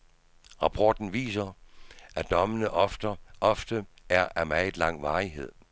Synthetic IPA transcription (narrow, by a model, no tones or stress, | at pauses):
ʁɑ̈pʰɒːd̥n̩ʋḭːsɐʔæd̥ɒ̽mənəʔʔɒ̽fd̥ə | æɐʔæmæɪlɑ̈ŋ̰ʋɑ̈ːiɦe̝ð̞̰ˠ